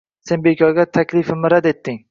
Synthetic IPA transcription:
se̞nbekʰʲɒɡʲat̪ʰakʲlɪfɪmɪɾad̪e̞t̪ːɪŋ

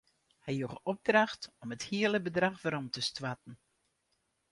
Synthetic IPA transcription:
hɛjjuχɔb̚draxtɔməthiələbədraxvaɾɔmtəstwatn̩

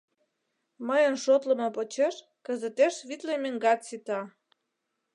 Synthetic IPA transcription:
məjənʃot̪lə̆mɤ̆pot͡ɕeʃ | kə̆zət̪eʃβit̪lemeŋɡɑt̪sit̪ɑ

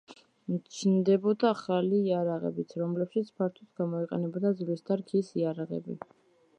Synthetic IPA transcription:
mt͡ʃʰnd̪ɛbɔd̪aːχaliːaɾaʁɛ̰bit̪ʰɾɔmlɛpʃit̪sʰpʰaɾt̪ʰut̪ʰɡ̥amɔiqʼɛnɛbad̪azvlist̪ʰaɾkʰisiaɾaʁɛ̰bḭ

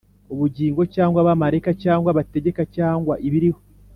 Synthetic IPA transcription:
uβuɟiːŋɡo̞caːŋɡwaβamaɾe̞kacaːŋɡwaβate̞ɟe̞kacaːŋɡwaʔiβiɾiho

